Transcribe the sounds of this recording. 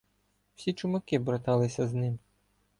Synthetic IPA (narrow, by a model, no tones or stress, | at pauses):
wsʲit͡ʃʊmɐkɪbɾɔt̪ɑlˠɪsʲɐznɪm